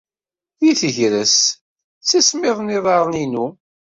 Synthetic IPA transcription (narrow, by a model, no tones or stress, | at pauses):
iθəʝɾəs | t͡sːæsmɪðˤniðˤɑɾˤəninu